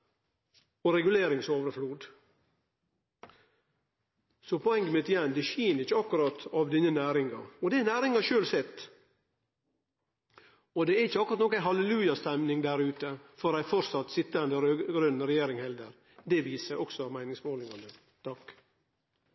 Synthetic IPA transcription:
ɔɾɛɡʉleːɾɪŋsoːʋəɾfluːd̪ | sɔpʰɔɛŋɡəmɪt̪ɪjɛnd̪ɛʃiːnəɾɪçːəɑkːʉɾɑt̪ɑʋd̪ɪnːənæːɾɪŋɑ̰ɔd̪ɛnæːɾɪŋɑʃøːlsɛt̪ː | ɔd̪ɛæɾɪçːəɑkʉɾɑt̪nɔkæɦɑləlʉːjɑst̪ɛmnɪŋd̪æɾʉːt̪əfɔɾæɪfɔɾsɑt̪ːsɪt̪ːəɛnd̪əɾøɡɾʉnn̩ɾɛjeːɾɪŋhɛld̪əɾ | d̪ɛʋiːsəɾʔɔksɔɑmæɪnɪŋsmoːlɪŋɑnə | t̪ʰɑkː

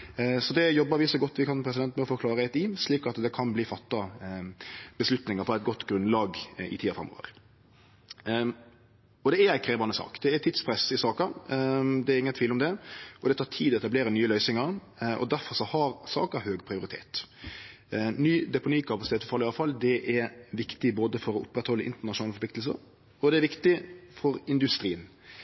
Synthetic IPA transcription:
sɔd̪ɛjɔbːəɾʋɪsɔɡɔt̪ːʋɪkʰɑnpʰɾɛsɪd̪ɛnt̪mɛɔfɔkʰlɑːɾəɛt̪iːsliːkɑt̪d̪ɛkʰɑnbliːfɑt̪ːɑ | b̥əslʉt̪nɪŋəɾfɔɾæɪt̪̚ɡɔt̪ːɡɾʉnlɑːɡɪ̰t̪ʰiːɑfɾɛ̰mːo̰ːʋə̰ɾ | ɔd̪ɛæɾæɪkʰɾeːbɑnəsɑ̰ːkd̪̥ɛæt̪ʰɪd̪spʰɾɛsɪsɑːkɑ | d̪ɛːɾɪŋːənt̪ʰʋiːlɔmd̪ɛʔɔd̪ɛt̪ʰɑːʈ̪ʰiːd̪ɔɛt̪ɑbleːɾənyːəlœʏsɪŋəɾ | ʔɔ̰d̪æɾfɔɾʂɔhɑɾsɑ̰ːkəhøːɡpʰɾɪʊɾɪt̪ʰḛːt̪ | nyːd̪ɛpʊniːkʰɑpɑsɪt̪eːt̪fɔfɑlɪɑʋfɑlːd̪ɛʔɛɾʋɪkt̪ɪboːd̪əfɔɾɔʔʊpːɾɛt̪hɔlːəʔɪ̰nt̪əɳɑʃʊnɑːlfɔpʰlɪkt̪ls̬ə̰ɾ | ɔd̪ɛæɾʋɪkt̪ɪfɔɾɪnd̪ʉst̪ɾiːən

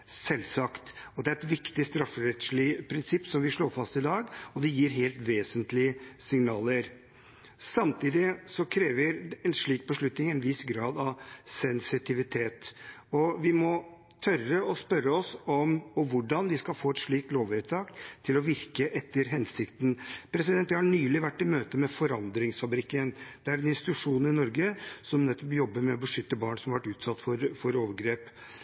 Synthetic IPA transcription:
sɛlːsɑkt̪ɔd̪ɛæɾɛt̪ʋɪkt̪ɪst̪ɾɑfɾɛt̪sɭipʰɾɪnsɪpːsɔmʋɪʂɭoːɾfɑst̪ɪd̪ɑːɡɔd̪ɛjiːɾɦeːlt̪ʋeːsənt̪lɪəsɪŋnɑːləɾ | sɑmt̪ʰiːd̪ɪsɔkʰɾeːʋəɾɛnʂɭiːk̚bəʂɭʉt̪nɪŋɛnʋɪsɡɾɑːd̪ɑʋsɛnsɪt̪ʰɪʋɪt̪ʰeːt̪ɔʋɪmɔ | t̪ʰœrəɔspœɾːəɔsɔmɔʋʊɖɑnʋɪskɑlfoːɛt̪ʂɭiːk̚t̪loːʋət̪ʰɑːkt̪ʰɪlɔʋɪɾkəʔɛt̪ːəɾɦɛnsɪkt̪n̩pʰɾɛsɪd̪ɛnt̪jæhɑɳyːlɪʋæʈːɪmøːt̪əmɛfɔɾɑnd̪ɾɪŋsfɑbɾɪkːənd̪̥ɛæɾɛnɪnst̪ɪ̥t̪ʉʂuːnɪnɔɾɡəsɔmnɛt̪ːɔpjɔbːəɾmɛɔbəʂʏt̪ːəbɑːɳsɔmɑʋɑʈːʉːt̪sɑt̪ːfɔɾfɔɾoːʋəɾɡɾeːp

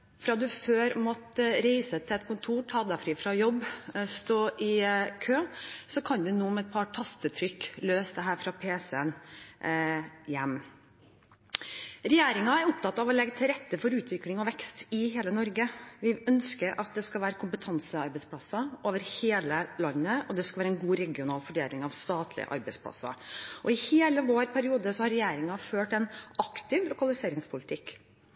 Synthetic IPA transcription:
fɾɑːd̪ʉføːɾmɔt̪ɾæɪsət̪ʰɪlɛt̪̚kʰʊnt̪ʰuːʈʰɑːd̪ɑfɾiːfɾɑjɔbːst̪oːʔɪkʰøːsɔkʰɑnd̪ʉnuːmɛɛt̪̚pʰɑʈʰɑst̪ət̪ʰɾʏkːløːsd̪ɛɦæːɾfɾɑpʰeːsəən | jɛmː | ɾɛjeːɾɪŋɑæɾʊp̚t̪ɑt̪ːɑʋɔlɛɡːət̪ʰɪlɾɛt̪ːəfɔɾʉːt̪ʰʋɪklɪŋɔʋɛkst̪ɪheːlənɔɾɡəʋɪœnskəɾʔɑt̪̚d̪ɛskɑlʋæːɾəkʰʊmpət̪ʰɑnsəɑɾbɛɪspʰlɑsɑʔoːʋəɾheːləlɑnːəɔd̪ɛskɑlʋæːɾəɛnɡuːɾɛɡɪʊnɑːlfɔɖeːlɪŋɑʋst̪ɑːt̪ʰlɪ̰ə̰ʔɑ̰ɾbɛɪspʰlɑ̰sɑ̰ʔɔɪheːləʋoːɾpʰæɾɪuːd̪əsɔhɑɾɛjeːɾɪŋɑføːʈɛnɑkt̪ɪʋlʊkɑlɪseːɾɪŋspʰʊlɪt̪ʰɪk

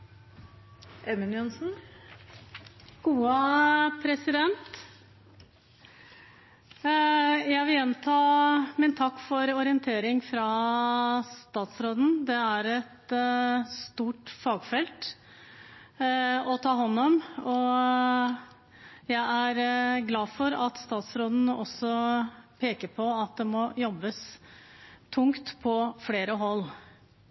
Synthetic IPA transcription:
ʔɛmɪnjʊnsn̩ | ɡ̥uːəpʰɾɛsɪd̪ɛnt̪ | jæɪʋɪljɛnt̪ʰɑːmɪnt̪ʰɑkːfɔɾɔɾɪənt̪ʰeːɾɪŋfɾɑ | st̪ɑːt̪sɾoːd̪n̩d̪ɛæɾɛt̪ | st̪uːʈfɑːɡfɛlt̪ | ɔt̪ʰɑːɦɔnːɔmɔ | jæɪʔæɾɡlɑːfɔɾɑt̪st̪ɑːt̪sɾoːd̪n̩ɔsːɔpʰeːkəpʰɔɑt̪̚d̪ɛmɔjɔbːəs | t̪ʰʊŋkt̪pʰɔfleːɾəɦɔlː

